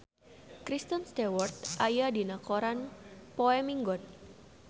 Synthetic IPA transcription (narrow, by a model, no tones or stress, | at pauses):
kɾist̪ənst̪ewɔrt̪ʔajadinakoɾanpoɛmiŋɡɔn̚